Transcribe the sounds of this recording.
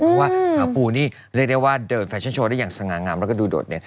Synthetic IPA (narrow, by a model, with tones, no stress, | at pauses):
ɔ˧˦waː˥˩aː˨˧puː˧niː˥˩ | ɾi˥˩ək̚da˥˩jwaː˥˩dɤː˧˩nfɛ˧˩˥nt͡ɕʰoː˧daː˥˩ja˨˩ŋsa˧ŋaː˧ŋaː˧mɾa˧˦˩kɔ˥˩duː˧˩do̰ː˨˩t̪̚nḛ˧˩n